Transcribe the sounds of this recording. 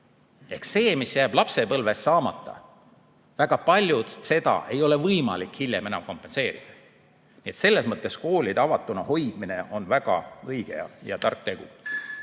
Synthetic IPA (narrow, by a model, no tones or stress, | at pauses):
e̞hksse̞ːmisjæːb̥lɑpse̞pɤlvesːɑːmɑt̪ːˑɑ̰ | væɡ̥ɑpɑlʲjud̪se̞d̪ɑ̰ʔe̞jo̞le̞vɤjmɑ̰likhiljemenɑmko̞mpːˑe̞nse̞ːɾḭd̪̥ɑ | nie̞t̪se̞lːe̞smɤt̪ˑːe̞sko̞ːlʲid̪ɑvɑt̪ːˑunɑho̞jd̪̥mine̞o̞nvæɡ̥ɑ̰ɤjɡ̥ḛɑ̰jɑt̪ɑrk̚ːt̪e̞ɡ̥ṵ